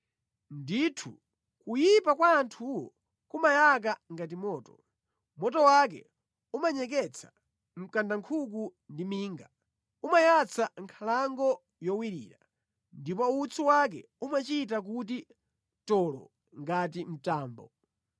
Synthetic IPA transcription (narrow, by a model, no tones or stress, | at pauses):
nditʰṵ | kujipakwaːntʰuwɔ̰ | kumajak̬aŋɡat̬imɔːtɔ | mɔtɔwak̬ɛ̰ | umaɲɛk̬ɛt͡sʰḁ | m̩kandaŋkʰuk̬undimiːŋɡa | umajat͡sʰaŋkʰalaŋɡɔ | jɔwiɾḭːɾa̰ | ndipɔut͡sʰuwak̬ɛ̰ | umat͡ʃitak̬uti | tɔlɔ̰ | ŋɡat̬im̩taːmbɔ̰